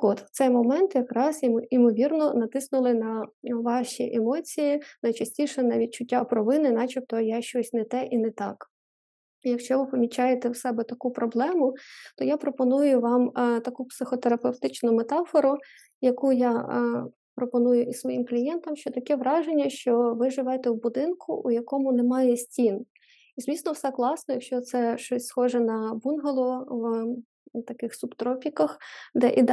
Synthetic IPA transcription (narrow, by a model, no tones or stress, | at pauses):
ɔt̪t̪sɛjmɔmɛnt̪jɐkɾɑzimɔʋʲirnɔnɐt̪ɪsnʊlˠɪnɐʋɑʃʲiʔɛmɔt͡sʲijinɐjt͡ʃɐsʲtʲiʃɛnɐʋʲit͡ʃʊtʲːapɾɔʋɪnɪnɑt͡ʃip̚t̪ɔjaʃt͡ʃɔsʲnɛt̪ɛʔinɛt̪ɑk | ijɐkʃt͡ʃɔʋɪpɔmʲit͡ʃɑjet̪ɛwsɛbɛt̪ɐkupɾɔblˠɛmʊt̪ɔjapɾɔpɔnujʊʋɑmt̪ɐkupsɪxɔt̪eɾɐpewt̪ɪt͡ʃnʊmet̪ɑfɔɾʊ | jɐkujɑ | pɾɔpɔnujʊʔisʋɔjimklʲijɛnt̪ɐmʃt͡ʃɔt̪ɐkɛʋɾɑʒenʲːɐʃt͡ʃɔʋɪʒɪʋɛt̪ɛwbʊd̪ɪnkʰʊ̰ʔujɐkɔmʊnemɑjɛsʲtʲin | izʋʲisnɔwsɛklˠɑsnɔjɐkʃt͡ʃɔt̪sɛʃt͡ʃɔsʲsxɔʒɛnɐbunɦɐlˠɔʋ | t̪ɐkɪxsʊbt̪ɾɔpʲikɐxd̪ɛʔid̪